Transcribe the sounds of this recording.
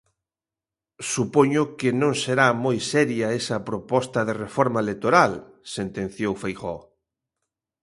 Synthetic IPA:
supoɲʊkɪnõŋseɾamojsɛɾjaesɐpɾopɔst̪ɐðerefɔɾmaelek̚t̪oɾal | sent̪ẽn̟θjowfejxɔ

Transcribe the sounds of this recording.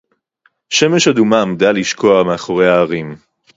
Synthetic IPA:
ʃe̞meʃadumamd̪aliʃkʰo̞ameaχoʁejhaːʁim

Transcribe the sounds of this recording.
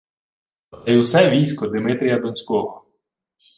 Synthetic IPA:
ɔt̪ɛjwsɛʋʲijsʲkɔd̪ɪmɪt̪ɾʲijɐd̪ɔnʲsʲkɔɦɔ

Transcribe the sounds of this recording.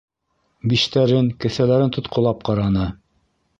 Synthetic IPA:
biʃt̪æɾɘŋkɘ̆θælæɾɘnt̪ŏt̪qŏlˠɑp̚qɑɾɑnɤ

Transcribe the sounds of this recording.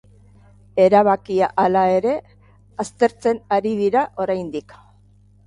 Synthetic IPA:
e̞ɾaβ̞akiaʔalae̞ɾe̞ | ast̪e̞ɾt͡se̞naɾiðiɾaʔo̞ɾajnd̪ik

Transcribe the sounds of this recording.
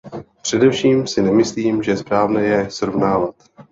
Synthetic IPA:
pr̝̥ɛdɛfʃiːmsɪnɛmɪsliːmʒɛspɾaːvnɛjɛsɾovnaːvat̪

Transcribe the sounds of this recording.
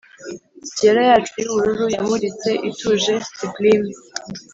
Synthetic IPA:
ceɾajat͡ʃiuuɾuɾujamuɾit͡se̞ʔituʒesiklim

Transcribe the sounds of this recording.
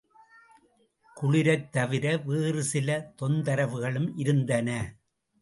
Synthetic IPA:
kʊɭɪɾɐt̪ːɐʋɪɾɐʋeːrɯsɪlɐt̪ɔnd̪ɐɾɐʋɯɣɐɭɯmʔɪɾɯnd̪ɐnɐ

